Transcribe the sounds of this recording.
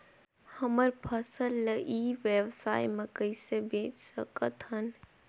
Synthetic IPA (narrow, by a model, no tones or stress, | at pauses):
həməɾpʰəsəlːəʔiʋjewsa̰ːjmẽkəɪsebẽːt͡ʃsəkət̪ɦən